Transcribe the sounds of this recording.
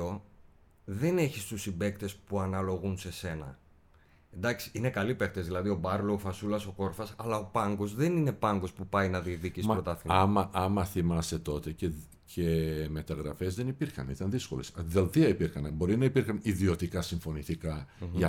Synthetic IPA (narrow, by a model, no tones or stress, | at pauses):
o̞ | ðe̞ne̞çist̪usibe̞kt̪e̞spuɐnɐlo̞ɣunse̞se̞nɐ̰ | end̪ɐksi̥inekɐlipekt̪ezðilɐðio̞bɐɾloːfɐsulɐso̞ko̞ɾfɐsɐlɐo̞pɐŋɡo̞zðenine̞pɐŋɡo̞spupɐjnɐðiɐkðicismɐpɾot̪ɐθiɐmɐʔɐmɐθimɐse̞t̪o̞t̪e̞ce | ceme̞t̪ɐɣɾɐfe̞zðe̞nipiɾxɐ̰nit̪ɐnðisko̞lesðelθiɐipiɾxɐnbo̞ɾinɐipiɾxɐniðio̞t̪ikɐsiɱfo̞nit̪ikɐʝɐ